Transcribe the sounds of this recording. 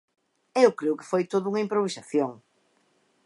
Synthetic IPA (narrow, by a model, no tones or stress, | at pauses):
ewkɾeʊkɪ̥fojt̪oðuŋɐimpɾoβisaθjoŋ